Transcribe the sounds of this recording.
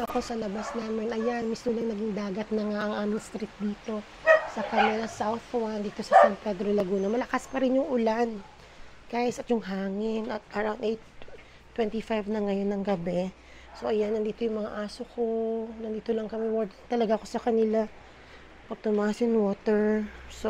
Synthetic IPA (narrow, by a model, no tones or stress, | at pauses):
ɐko̞sɐlɐbasnaːmɛnʔɐjanmismʊlɐŋnɐɡɪŋd̪aːɡɐt̪̚nɐŋaʔɐŋʔaːmɪŋst̪ɾit̪̚d̪iːt̪o̞ | sɐkɐnɪnɐsawθkwand̪iːt̪o̞sɐsant̪̚pɛd̪ɾolɐɡuːnɐmɐlɐkaspɐɾɪnjʊŋʔʊlan | ɡ̥aɪsɐt̪jʊŋɦaːŋɪnɐt̪̚ʔɐɾawnd̪ʔejt̪ | t̪ːwɛnt̪ifajvnɐŋɐjo̞nːɐŋɡɐbɛ | so̞ʔɐjanɐnd̪iːt̪o̞jʊŋmɐŋa̰ʔaːsokʰo̞nɐnd̪iːt̪olɐŋkɐmɛwad̪t̪ɐlɐɡaʔko̞sɐkɐnɪla | pɐɡ̚t̪ʊmaːʔɐsjʊŋwo̞ːt̪ɛɹso